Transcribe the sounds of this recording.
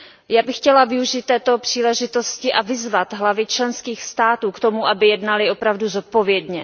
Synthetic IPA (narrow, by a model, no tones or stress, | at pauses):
jaːbɪxcɛlavɪuʒiːt̪̚ːɛːt̪o̞pr̝̥iːlɛʒɪt̪o̞scɪʔavɪzvat̪ɦlavɪt͡ʃlɛnskiːxst̪aːt̪uːkt̪o̞muʔabɪjɛdnalɪo̞pɾavduzot̪̚po̞vjɛdɲɛ